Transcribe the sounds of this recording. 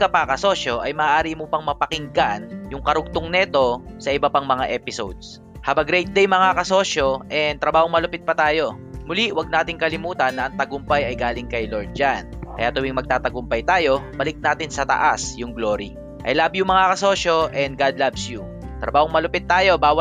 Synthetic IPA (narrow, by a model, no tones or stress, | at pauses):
kɐpɐkɐso̞ʃo̞ʔɐjmɐːʔaːɾimʊpɐŋmɐpɐkɪŋɡanjʊŋkɐɾʊɡ̚t̪ʊŋnɛːt̪o̞sɐʔɪbɐpaŋmɐŋaʔɛːpɪsowd̪̚s | habɐŋɡɾɛjt̪̚d̪ɛjmɐŋakɐso̞ːʃo̞ʔɛnt̪ɾɐbaːhoŋmɐlʊpɪt̪̚pɐt̪aːjo̞ | mʊliwɐɡ̚naːt̪ɪŋkɐlɪmuːt̪ɐnːɐʔɐŋt̪ɐɡʊmpɐjɐjɡaːlɪŋkɐjloɹd̪̚d͡ʒankɐjaːt̪ʊwiŋmɐɡ̚t̪aːt̪ɐɡʊmpɐjt̪aːjo̞bɐlɪk̚naːt̪ɪnsɐt̪ɐ̰ʔasjʊŋɡloːɾi | ʔɐ̰jlaːbjʊŋmɐŋakɐso̞ːʃoʔɛnd̪̚ɡad̪̚labsju | t̪ɾɐ̰baːhoŋmɐlʊpɪt̪̚ːaːjo̞baːwɐ